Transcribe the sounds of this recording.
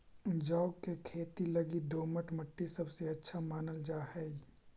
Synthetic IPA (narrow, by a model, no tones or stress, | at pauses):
d͡ʒaʊkekʰeːt̪ilɐɡid̪oːməʈmɐʈːisɐbseɐtːʃʰamaːnəld͡ʒaːɦɛi